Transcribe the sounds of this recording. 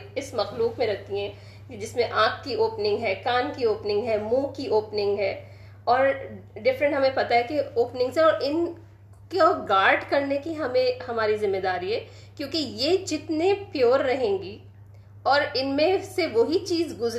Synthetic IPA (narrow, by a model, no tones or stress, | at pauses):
ɪsmɐxluːkmẽɾɐt̪iɦɛ̃ː | d͡ʒɪsmẽʔaːkːioːpnɪ̃ŋɡɦɛːkaːnkioːpnɪ̃ŋɡɦɛːmũːkiʔoːpnɪ̃ŋɡɦɛː | ɔːɾɖɪfɾə̃ɳʈɦɐmẽpɐt̪aɦɛkeoːpnɪ̃ŋɡsẽɔːɾɪn | koɡaːɾɖkɐɾnekiɦɐmẽhɐmaːɾizɪmːed̪aːɾiɦɛː | kjõːkejed͡ʒɪt̪nepjoːɾːɐɦẽːŋɡi | ɔːɾɪnmẽseʋoɦit͡ʃiːzɡʊz